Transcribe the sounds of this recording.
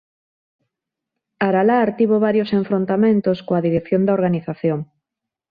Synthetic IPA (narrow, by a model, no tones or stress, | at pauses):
aɾalaɾt̪iβoβaɾjoseɱfɾont̪amẽnt̪oskoaðiɾekθjond̪aoɾɣaniθaθjoŋ